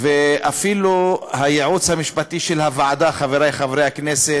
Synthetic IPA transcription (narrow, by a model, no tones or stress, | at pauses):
veʔafiluhajeʕut͡shamiʃpat̪iʃelhavaʕad̪aχaveɾajχavɾejhaknese